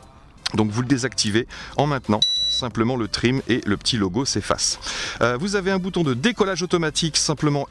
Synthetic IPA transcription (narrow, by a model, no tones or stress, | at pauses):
d̪ɔ̃kvuləd̪ezakt̪iveɑ̃mɛ̃t̪nɑ̃sɛ̃pləmɑ̃lət̪χimeləpə̥t̪ʰiloɡosefa̰søvuzaveɛ̃but̪ɔ̃d̪əd̪ekɔlaʒot̪ɔmat̪iksɛ̃pləmɑ̃